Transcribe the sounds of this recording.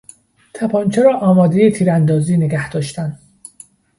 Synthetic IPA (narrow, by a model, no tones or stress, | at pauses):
t̪ʰæpʰɒːnt͡ʃʰeɾɒːʔɒːmɒːd̪ejet̪ʰiːɾænd̪ɒːziːneɡæhd̪ɒːʃt̪ænd̪